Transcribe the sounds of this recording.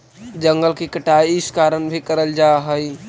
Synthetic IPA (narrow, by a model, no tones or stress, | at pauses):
d͡ʒəŋɡəlkikəʈaiɪskaɾənbʱikəɾəld͡ʒaɦəj